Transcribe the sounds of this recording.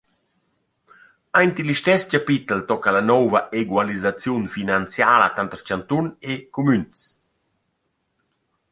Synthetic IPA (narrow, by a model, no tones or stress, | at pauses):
ajnt̪iliʃt̪ɛscapit̪əlt̪ɔkːalanɔwvaʔeɡwalizat͡sjunfinant͡sjaːla̰t̪ant̪əɾt͡ʃant̪unekumyns